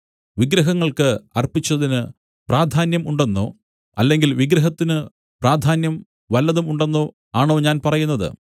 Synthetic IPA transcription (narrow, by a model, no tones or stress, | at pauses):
ʋiɡɾɐɦɐŋːɐɭkɨɐrpit͡ɕːɐðinɨ | praːd̪ʱaːnjɐmuɳɖe̞nːo̰ː | ɐlːe̞ŋɡilʋiɡɾɐɦɐt̪ːinɨ | praːd̪ʱaːnjɐm | ʋɐlːɐðumuɳɖe̞nːoː | aːɳo̞ːɲaːnpɐrɐjun̪ːɐðɨ̰